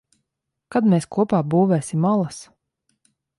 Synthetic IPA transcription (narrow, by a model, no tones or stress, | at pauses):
kad̪meːskuɔpaːbuːvɛːsimalˠas